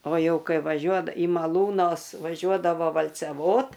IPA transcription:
oː ˈjɛʊ ˈkɐɪ ʋɐˈʒʲuɔt iː mɐˈlˠuːnoːs ʋɐˈʒʲuɔdɐʋoː ʋɐlʲt͡sʲɛˈʋoːt

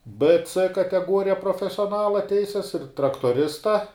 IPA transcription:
p t͡s kɐtʲɛˈɡuɔrʲɪjɛ proːfʲɛsʲoːˈnɑːlˠɐ ˈtʲɛɪsʲɛs ɪr trɐktuɔˈrʲɪstɐ

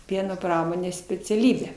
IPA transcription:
ˈpʲiɛnoː ˈprɑːmoːnʲeːs sʲpʲɛt͡sʲɛˈlʲiːbʲæː

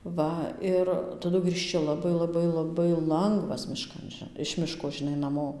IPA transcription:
ˈʋɐ ˈɪr tɐˈdʊ ɡrʲiːʃʲˈt͡ʃʲɪ lˠɐˈbɐɪ lˠɐˈbɐɪ lˠɐˈbɐɪ ˈlˠɐŋɡʋɐs mʲɪˈʃkɐn ʒʲɪ ɪʃ ˈmʲɪʃkoː ʒʲɪˈnɐɪ nɐˈmoː

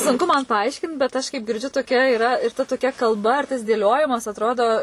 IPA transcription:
sʊŋˈkʊ mɐn pɐˈɐɪʃʲkʲɪnt bʲɛt ˈɐʃ kɐɪp ɡʲɪrʲˈd͡ʒʲʊ toːˈkʲɛ ɪˈrɐ ɪr tɐ toːˈkʲɛ kɐlˠˈbɐ ɪr tɐs dʲeːˈlʲoːjɪmɐs ɐtˈroːdoː

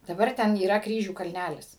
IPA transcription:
dɐˈbɐr ˈtʲɛn iːˈrɐ ˈkrʲiːʒʲuː kɐlʲˈnʲælʲɪs

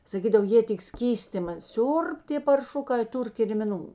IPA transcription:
sɐˈkʲiːdɐw ˈjeː tʲɪk ˈsʲkʲiːsʲtʲɪmɐ ˈsʲʊrp tʲeː pɐrˈʃʊkɐɪ ˈtʊr kʲɪrʲmʲɪˈnuː

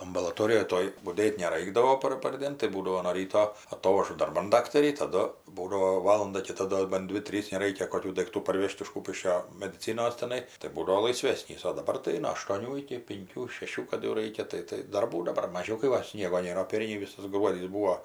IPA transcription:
ɐmbɐlˠɐˈtoːrʲɪjoːj ˈtoːj bʊˈdʲeːtʲ nʲɛˈrɐɪɡdɐʋoː ˈpɐr pɐrʲˈdʲeːn tɐɪ ˈbuːdɐʋoː noː ˈrʲiːtoː ɐˈtoːʋɐʒʊ dɐrˈbɐn ˈdɑːktɐrʲiː tɐˈdʊ ˈbuːdɐʋoː ˈʋɑːlˠɐndɐ kʲɪˈtɐ ˈdoː bɐn ˈdʲʋʲɪ ˈtʲrʲiːs nʲɛˈrɐɪkʲɛ koːˈkʲuː dɐɪkˈtuː pɐrʲˈʋʲeːʃt ɪʃ ˈkuːpʲɪʃʲkʲoː mʲɛdʲɪˈt͡sʲɪnoːs tʲɛˈnɐɪ tɐɪ ˈbuːdɐʋɐʊ lˠɐɪˈsʲʋʲæːsʲnʲiːs oː dɐˈbɐr tɐɪ noː ɐʃtoːˈnʲuː ɪkʲɪ pʲɪŋʲˈkʲuː ʃʲɛˈʃʲuː kɐt jɛʊ ˈrɐɪkʲɛ ˈtɐɪ tɐɪ dɐrˈbuː dɐˈbɐr mɐˈʒʲɛʊ kɐɪ ˈʋɐ ˈsʲnʲiɛɡoː ˈnʲeːrɐ oː ˈpʲɛrʲnʲɛɪ ˈʋʲɪsɐs ˈɡruɔdʲiːs ˈbuːoː

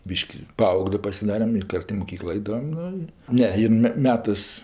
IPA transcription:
ˈbʲiːʃʲkʲɪ ˈpɐɐʊɡlʲeː pɐsʲɪˈdɑːrʲɛm ɪ ˈkɐrt ɪ moːˈkʲiːklˠoː ˈɐɪdɐʋɐm ˈnʊ ɪ ˈnʲɛ ˈjɪn mʲɛ ˈmʲæːtɜs

